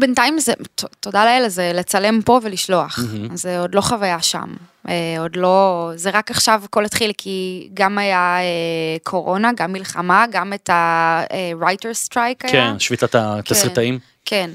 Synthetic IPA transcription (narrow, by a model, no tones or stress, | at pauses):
bentaimzetoto̞daleelazelet͡sale̞mpo̞veliʃlo̞aχzeodlo̞χavajaʃa̰m | eodlo̞zeʁakaχʃavko̞let̪χilkʰiɡamajaekʰo̞ʁo̞naɡamːilχamaɡametaeʁajteʁstʁajkaenʃvit̪at̪ataʁitaim | kʰen